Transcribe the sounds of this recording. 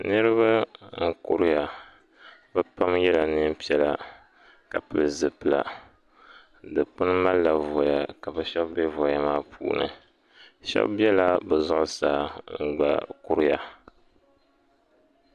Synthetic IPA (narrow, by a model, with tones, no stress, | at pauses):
nɨ˦ɾɨ˦βa˦ŋ̩˦kʊ˦ɾɪ˦ja˨ | bɛ˦pa˦mjɛ˦la˨nɨ˦m˦pi˦ɛ˦la˨ | ka˨pɨ˨lzɨ˨pɨ˨la̰˨ | dɨ˨k͡pɨ˦n˦ma˦lːa˨vɔ˨ja˨ka˨bɛ˦ʃɛ˦bbɛ˦vɔ˨ja˦maː˦pʰṵː˦nɨ̰˨ | ʃɛ̰˦bbi˦ɛ˦la˦bɛ˨zʊ˦ʔʊ˨saː˦ŋ̩˨ɡ͡ba̰˨kʊ˦ɾɪ˦ja˨